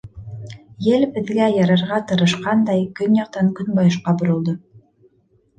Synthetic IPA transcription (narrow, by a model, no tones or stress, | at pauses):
jɘlbɘ̆ðɡæjɑɾɑɾʁɑt̪ɤ̆ɾɤ̆ʃqɑnd̪ɑjkɵnjɑq̚t̪ɑŋkɵnbɑjɤ̆ʃqɑbŏɾŏlˠd̪ɤ